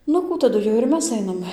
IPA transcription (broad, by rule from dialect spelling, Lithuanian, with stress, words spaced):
ˈnʊ ˈkuː tɐˈdʊ jɛʊ ɪr ˈmʲɛs ˈɐɪnɐm